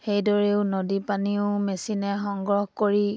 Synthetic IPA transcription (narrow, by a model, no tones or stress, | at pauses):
xejdɔɹeʊnodipaniʊmesinɛxɔŋɡɹɔxkoɹi